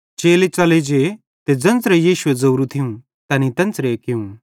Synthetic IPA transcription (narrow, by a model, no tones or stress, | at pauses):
t͡ʃeːlet͡sɐled͡ʒe | t̪ed͡zɐ̃nt͡sɾejiːʃʊed͡zɐːɾut̪ʰɪjũ | t̪ɐːnit̪ɐ̃nt͡sɾekɪũ